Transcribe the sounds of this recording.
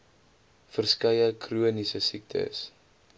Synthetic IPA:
fərskɐjəkruənisəsik̚tʰə̰s

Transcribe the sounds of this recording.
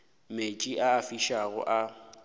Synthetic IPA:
met͡ʃʼiʔaːfiʃaɣʊ̰ʔa

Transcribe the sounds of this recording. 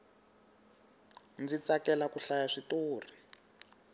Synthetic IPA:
nd͡zit͡sakɛlakuɬajaʂitoːri

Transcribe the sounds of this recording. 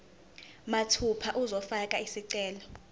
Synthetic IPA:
matʰupʰaʔuzɔfakʼaisiǀɛːlɔ

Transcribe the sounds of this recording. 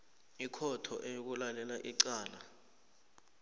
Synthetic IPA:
ikʰɔtʰɔ̰ʔejok̬ulalɛlaʔiǀaːla

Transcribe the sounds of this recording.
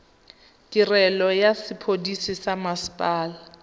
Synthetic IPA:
tʼirɛlɔjasɪpʰodisisamaspʼaːla

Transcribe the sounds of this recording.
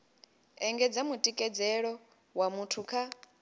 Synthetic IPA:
ɛŋɡɛd͡zamutʼikʼɛd͡zɛɺɔ | wamutʰukʰa

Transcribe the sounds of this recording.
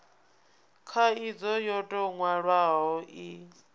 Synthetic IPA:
kʰaid͡zɔjɔtʼɔŋwaɺwaɦɔʔi

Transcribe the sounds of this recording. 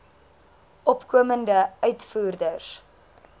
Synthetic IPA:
ʔɔpkuəməndəœɥtfuːrdərs

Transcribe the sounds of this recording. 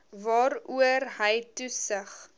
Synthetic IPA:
vɑːɾuərɦəjtusəχ

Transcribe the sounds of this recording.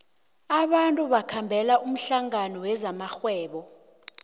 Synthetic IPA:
aɓantʼuɓakʰambʱɛlaʔum̩ɬaŋanɔwɛzamaxwɛːɓɔ

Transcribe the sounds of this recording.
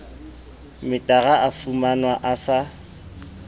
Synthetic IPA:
mɪtʼaɣaʔafumanwaʔasa

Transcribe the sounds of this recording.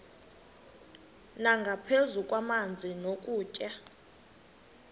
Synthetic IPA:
naŋɡʱapʰezukʼwamand͡zʱinokʼuːcʼa

